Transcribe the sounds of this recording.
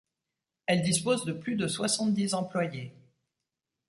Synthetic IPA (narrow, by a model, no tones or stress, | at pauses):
ɛld̪ispozd̪əplyd̪əswasɑ̃t̪̚d̪izɑ̃plwaje